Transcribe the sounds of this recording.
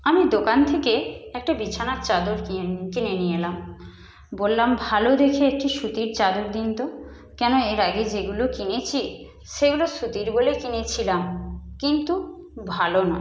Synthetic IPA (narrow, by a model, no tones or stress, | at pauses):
amid̪okant̪ʰekeɛk̚ʈabit͡ɕʰanaɾt͡ɕad̪oɾkinenielam | bolːambʱalod̪ekʰeek̚ʈiʃut̪iɾt͡ɕad̪oɾd̪int̪o | kɛnoeɾaɡed͡ʑeɡulokinet͡ɕʰi | ʃeɡuloʃut̪iɾbolekinet͡ɕʰilamkint̪u | bʱalonɔe